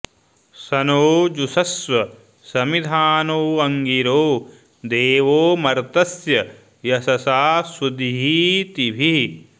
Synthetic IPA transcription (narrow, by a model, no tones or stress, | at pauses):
sɐnoːd͡ʒusɐsʋɐ | sɐmid̪ʱaːnoːɐŋɡiɾoː | d̪eːʋoːmɐɾt̪ɐsjɐ | jɐsɐsaːsud̪iɦit̪ibʱi